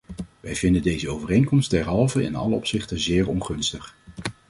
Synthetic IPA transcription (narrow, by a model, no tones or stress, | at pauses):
ʋɛjvɪndəndejzəowvərejnkɔmst̚dɛɹɦɑlˠvəɪ̰nɑ̰ləɔpsɪχtəzɪːɹɔnχɵnstəχ